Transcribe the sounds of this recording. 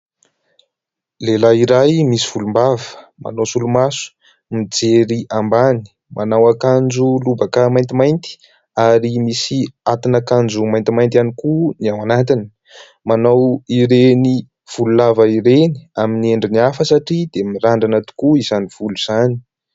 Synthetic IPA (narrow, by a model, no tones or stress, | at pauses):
lelaiɾajmisiv̥ulumbavə̥ma̰nosulumasu̥ | mid͡zeɾiʔambani̥ | mʔanawakand͡ʒulubakamajnt̪imajnt̪i̥ | aɾimisiat̪inakand͡ʒumajnt̪imajnt̪anikuniawanat̪ini̥ | manawiɾeni | v̥ululavaiɾeni̥aminieɳɖ͡ʐiniafəsaʈ͡ʂid̪emiɾaɳɖ͡ʐanat̪u̥kuizaniv̥uluz̥ani̥